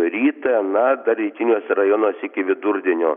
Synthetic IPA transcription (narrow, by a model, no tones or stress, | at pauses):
ɾʲiːt̪ɐnɐd̪ɐɾʲɛɪkʲɪnʲoːsʲɛɾɐjonoːsʲɪkʲɪʋʲɪd̪ʊɾʲd̪ʲɪnʲoː